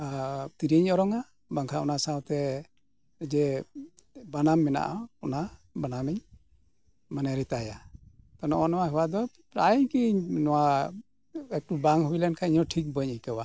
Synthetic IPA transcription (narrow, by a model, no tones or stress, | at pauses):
t̪iɾiɲɔɾɔŋa | baŋkʰaṵnasawt̪ɛ | d͡ʒɛ | banamːɛna̰ʔaunabanamiɲ | manɛɾɛt̪ajat̪ɔnɔʔɔnɔwaɦɛwad̪ɔ | ɾa̰iɲkiɲnɔwa | ɛk̚ʈubaŋɦuilɛnkʰaiɲɔʈʰik̚bəɲijkawa